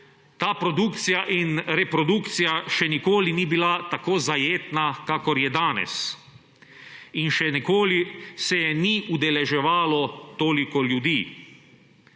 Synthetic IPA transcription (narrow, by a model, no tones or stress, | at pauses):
t̪aːpɾɔd̪uːkt̪sijaʔinɾɛpɾɔd̪uːkt̪sijaʃɛnikoːlinibilat̪akoːzajeːt̪nakaːkɔɾjɛd̪aːnɛ̰s | inʃɛnikoːlisɛniud̪ɛlɛʒɛʋaːlɔt̪oːlikɔljud̪iː